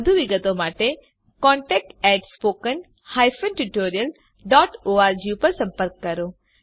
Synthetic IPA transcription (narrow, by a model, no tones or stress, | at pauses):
d̪ʱuʋiɡət̪omaːʈe | kɔ̃ːɳʈɛːk̚ʈɛːʈspoːkən | haːjfʰənʈuʈoːɾijəl | ɖɔːʈoːaːɾd͡ʒjupɐɾsɐ̃mpəɾkːɐɾo